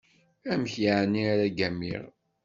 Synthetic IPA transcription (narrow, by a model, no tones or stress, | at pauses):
æmçjaʕnːiaɾæɡæmːḭʁ